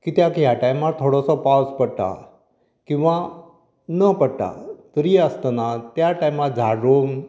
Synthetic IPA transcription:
kit̪jakjaʈajmat̪t̪ʰːoɽɔsɔpawspəɽʈ̪a̰ | kĩw̃ʋa | nəpəɽʈ̪a̰t̪əɾiəst̪ənat̪jaʈajmat̪̚d͡zʱaɾoŋ

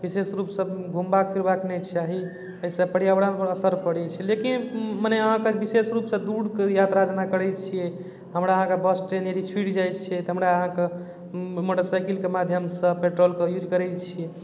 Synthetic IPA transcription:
bisesɾupsəbɡʱumbakpʰiɾbaknɛt͡ʃʰaɦi | əisə̃pəɽijabɽanpəəsəɾpəɽɛt͡ʃʰɛlekinmənɛəɦãkebisesɾupsə̃d̪uɽkejat̪ɾad͡ʒnakəɾɛt͡ʃʰijɛ | ɦəmɾaəɦãkebəsʈɾenjed̪it͡ʃʰiʈd͡ʒajt͡ʃʰijɛt̪ɔɦəmɾaəɦãke | moʈəɾsajkilkemad̪ʱjəmsə̃peʈɾolkejud͡ʒkəɾɛt͡ʃʰijɛ

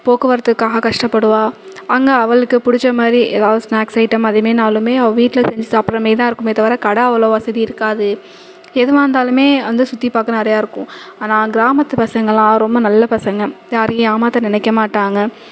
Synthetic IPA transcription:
poːkɯʋɐɾɐt̪ːɯkːaːɣɐkɐʂʈɐpːɐɽɯʋaː | ɐŋɡɐɐʋɐɭɯkːɯpʊɽɪt͡ʃːɾɐmaːd̪ɾiʔɛðaːʋðɯsnaːksɐɪʈːɐmɐðɯmeːnaːlɯmeːɐʋɐ̃ʋiːʈːɪlɐsɛɲd͡ʒɯðɐpːɯɾɐmeːt̪ãːɪɾɯkːɯmɪðɐʋɐɾɐkɐɽɐɐʋɐlɐːʋɐsɐðiɪɾɯkːaːðɯ | ɛðɯʋaːnd̪aːlɯmeːʋɐnd̪ɯsʊt̪ːipaːkɐnɪɾɐjaːɪɾɯkːʊ̃aːnãːɡɪɾaːmɐt̪ːɯpɐsɐŋɡɐlãːɾɔmbɐnɐlːɐpɐsɐŋɡɐjaːɾɯiaːmaːt̪ːɐnɪnɛkːɐmaːʈːaːŋɡɐ

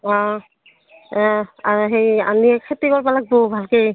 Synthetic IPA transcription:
ɔ̃ | aɹɦeja̰niɛkʰetiɡɔɹpalak̚bobʱalkej

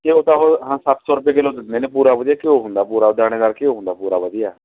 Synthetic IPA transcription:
t̪eoːt̪ãːɦoɦãːsapsɔːɾəp̬ẽːɡeːloːd̪ɪt̪nd̪eːneːpuːɾaːʋəd̪ijaːkɪõːɦʊ̃nd̪aːpuːɾaːʊd̪aːɽ̃eːd̪aːlkeõːɦʊ̃nd̪aːpuːɾaːʋəd̪ijaː

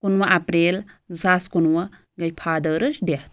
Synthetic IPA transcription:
kunwɐʔapɾelzaskunwɐ | ɡɐjpʰad̪əɾɯsdeht̪̚

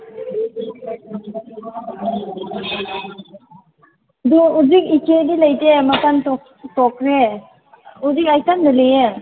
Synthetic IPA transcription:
duuzik̚ikenilajtematantɔ | tɔkʰɾe | uzikajtandɯleje

